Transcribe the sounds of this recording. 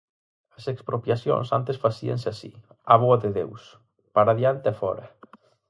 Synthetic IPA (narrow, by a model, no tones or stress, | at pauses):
ɐsekspɾopjasjõ̰nsant̪esfasia̰nsɪasḭ | aβ̞oaðɪðḛws | paɾaðjant̪ɪafɔ̰ɾɐ